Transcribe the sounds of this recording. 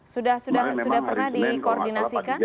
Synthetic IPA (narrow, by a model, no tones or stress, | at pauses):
sudahsudahsudahpərnahdikoɔrdinasikan